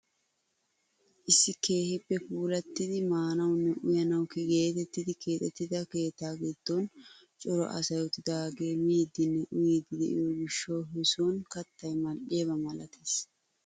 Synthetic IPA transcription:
ʔɪsːɪke̞ːhɪbːɛfuːlɐt̪ːɪd̪ɪmaːnɐwnːɛʔʊjɐnɐwkɪɡe̞ːt̪ɛt̪ːɪd̪ɪkʰe̞ːt̪ʼɛt̪ːɪd̪ɐke̞ːt̪ːaːɡɛd̪̥ːɔn | t͡ʃʼɔɾɔ̰ʔɐ̰sɐjɔt̪ːɪd̪aːɡe̞ːmiːd̪ːɪnːɛʔʊjiːd̪ɪd̪ɛʔɪ̰jɔɡɪʃːowɦɛsonkɐt̪ːɐjmɐlʔeːbɐmɐlɐt̪ʰeːs

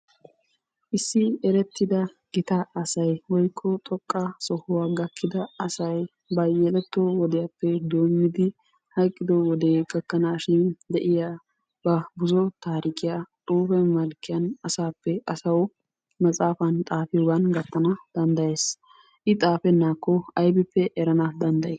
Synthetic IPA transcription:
ʔɪsːɪɛɾɛt̪ːɪd̪ɐ | ɡ̥ɪt̪ɐɐsɐjwɔjkʰːɔt̪ʼɔkʼːɐsɔhʊwaːɡɐkːɪd̪ɐɐsɐj | bɐjɛlɛt̪ːɔwɔd̪ɛjapːɛd̪o̞ːmːɪd̪ɪ | hɐjkʼːɪd̪ɔwɔd̪eːkɐkːɐnaːʃɪnd̪ɛʔɪja | bɐbʊzɔt̪aːɾɪkʼɪjat̪ʼuːfɛmɐlkːɪjɐnɐsaːpːɛʔɐsɐw | mɐt͡sʼaːfɐnt̪ʼaːfɪjɡɐnɡɐt̪ːɐnɐd̪̥ɐnd̪ɐje̞ːs | ʔɪt̪ʼaːfɛnːaːkːɔɐjbɪpːɛʔɛɾɐnad̪ɐnd̪ɐje

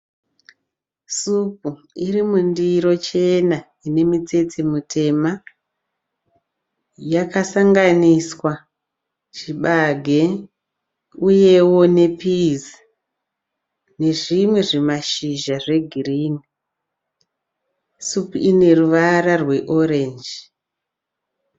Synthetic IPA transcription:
sup̚u | irimundiɾo̞t͡ʃe̞na | ine̞mit͡se̞t͡semutʰe̞ma | jakasaŋɡaniswa | t͡ʃiɓaɡʱe̞ | uje̞wo̞ne̞pizi | ne̞ʐimwe̞ʐemaʃiʒaʐe̞ɡʱiriːni | supine̞ruʋaɾarwe̞ʔo̞ɾe̞ːnd͡ʒi

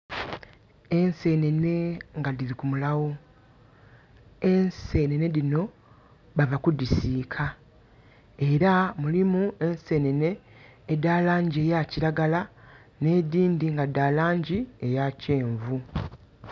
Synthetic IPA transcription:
e̞nse̞ne̞ne̞ŋɡadilikumulawo̞ | ense̞ne̞ne̞dino̞ | βavakudisiːkʰa | e̞ɾamulimue̞nse̞ne̞ne̞ːdaːlaːɲɟie̞jaciɾaɡala | ne̞ːdiːndiŋɡadalaːɲɟie̞jace̞ːɱvu

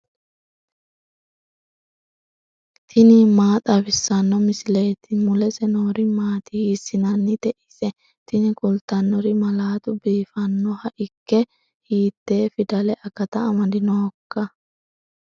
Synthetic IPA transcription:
t̪ʰɪnɪmaːt̪ʼɐfɪsːɐnːɔmɪsɪleːt̪ɪmʊlɛsɛnoːɾɪmaːt̪ɪhiːsɪnɐnːɪt̪ɛʔɪsɛ | t̪ɪnɪkʼʊlt̪ɐnːɔɾɪmɐlaːt̪ʊbiːfɐnːɔhɐʔɪkːɛ | hiːt̪ːe̞ːfɪd̪ɐlɛʔɐkɐt̪ɐɐmɐd̪ɪnɔːɔkːɐ

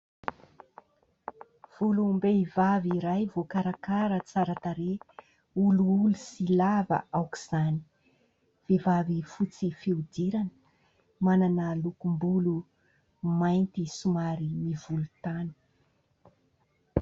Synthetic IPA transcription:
v̥uluːmbeivaviɾajvokaɾakaɾət͡saɾət̪aɾe | uluulusilavə̰ʔawki̥z̥ani̥ | v̥evavifut͡sifiud̪iɾanə̥ | mananəlukumbulu | majnt̪isumaɾimiv̥ulut̪ani̥

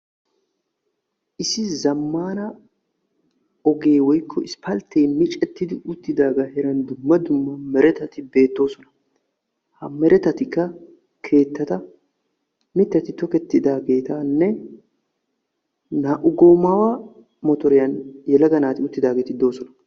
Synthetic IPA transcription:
ʔɪsɪzɐmːaːnɐ | ɔɡe̞ːwɔjkʰːɔɪspɐlt̪ːeːmɪt͡ʃʼɛt̪ːɪd̪ɪʊt̪ːɪd̪aːɡɐhɛɾɐnd̪ʊmːɐd̪ʊmːɐmɛɾɛt̪ɐt̪ɪbe̞ːt̪ːo̞ːsɔnɐ̥ | hɐmɛɾɛt̪ɐt̪ɪkːɐ | kʰe̞ːt̪ːɐt̪ɐ | mɪt̪ːɐt̪ɪt̪ɔkɛt̪ːɪd̪aːɡe̞ːt̪aːnːɛ | naːʔʊɡoːmawa | mɔt̪ɔɾɪjɐnjɛlɐɡɐnaːt̪ɪʊt̪ːɪd̪aːɡeːt̪ɪd̪o̞ːsɔnɐ

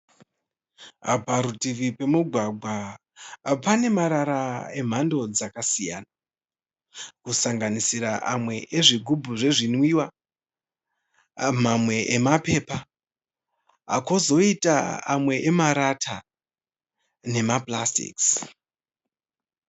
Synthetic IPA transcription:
a̰paɾutiʋipe̞muɡʱwaɡʱwa | pane̞maɾaɾae̞m̤ando̞d͡zakasija̰na | kusaŋɡanisiɾaʔamwe̞ʔeʐiɡʱubʱuʐe̞ʐinwiwa | mamwe̞ʔemape̞pa | a̰kozo̞ita̰a̰mwe̞ʔemaɾatʰa | ne̞mapla̰stḭks

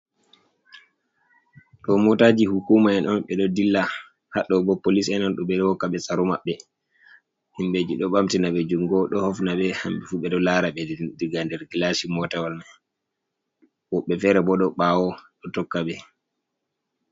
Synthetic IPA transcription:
ɗɔmɔtaːd͡ʒihukumaɛnʔɔnɓɛɗɔdilːa | haɗɔbɔpolisɛnɔnɗɔɓɛɗɔhɔkːaɓɛsaɾumaɓːɛ | himbed͡ʒiɗɔɓamtinaɓɛd͡ʒuŋɡɔɗɔhɔfnaɓɛhamɓɛfuɓɛɗɔlaɾaɓɛdiɡandɛɾɡilaʃimɔtawalmaj | wɔɓːɛfɛɾɛbɔɗɔɓawɔɗɔtɔkːaɓɛ

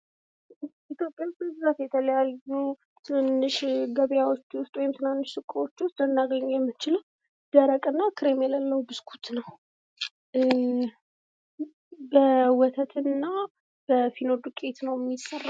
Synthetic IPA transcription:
it̪jo̞pʼjawszzat̪jɛt̪ʰələjalzu | t̪ʰɨnɨnːɨʃɡəβjawot͡ʃːwʊst̪ʼwɔjɪmt̪ʰɨnanːɨʃsɨkʼːəwot͡ʃːwʊst̪ənːaɡəɲːojɛmːɨt͡ʃɪləw | d̪̥əɾəkʼɨnːakʰɨɾemelalːəhubɨskʰut̪nəw | bəwɔt̪ʰət̪ʰɨnːa | b̥əfinod̪ukʼet̪nəwjɛmːjɪsːərːa

